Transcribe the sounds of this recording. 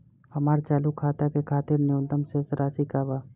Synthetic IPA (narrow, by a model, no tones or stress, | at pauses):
ɐmaːɾt͡ʃaːlukʰaːt̪akekʰaːt̪ɪɾnɪʊ̃nd̪əmsesɾaːsikaba